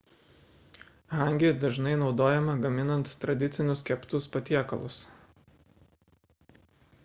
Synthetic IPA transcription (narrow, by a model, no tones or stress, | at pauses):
ɦɑˑŋʲɡʲed̪ɐʒnɐɪnɒʊd̪oːjɛmɐɡɐmʲɪnɐnt̪ːɾɐd̪ʲɪt̪sʲɪnʲʊskʲɛpt̪ʊspɐt̪ʲiɛkɐ̰lˠʊs